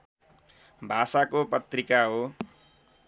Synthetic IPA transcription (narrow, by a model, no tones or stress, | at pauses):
bʱasakopʌt̪rikaɦo